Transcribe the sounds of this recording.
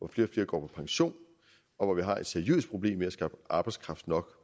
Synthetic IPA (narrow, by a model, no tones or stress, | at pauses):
ʋɒfle̝ːɒfle̝ːɐɡ̥ɒ̰ːpʰɒ̥̽pʰɑ̈ŋɕo̝̰ːn | ɒ̽ʋɒʋiɦɑ̈e̝d̥sæɐjø̰ðːs̚pʰʁo̝b̥le̝̰ːmeæsɡ̥ɑːb̥əʔɑ̈ːb̥ɑ̈ɪdskʰʁɑ̈fd̥nɒ̽ɡ̥